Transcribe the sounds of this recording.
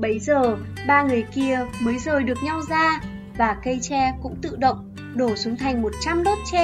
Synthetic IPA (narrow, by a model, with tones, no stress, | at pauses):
ɓə˨˦jzəː˨˩ɓaː˧ŋɨ˨˩əjki˧əməː˨˦jzəː˨˩ɗɨ˨˩ək̚ɲa˧wzaː˧ | vaː˨˩kə˧jt͡ɕɛ˧kʊ̰˧˥ŋ͡mt̪ɨ̰˧˨ɗə̰˧˨wŋ͡m | ɗo˧˩su˨˦ŋt̪ʰa˨˩jŋ̟mo˨˩t̚t͡ɕa˧mɗo˦˥t̚t͡ɕɛ˧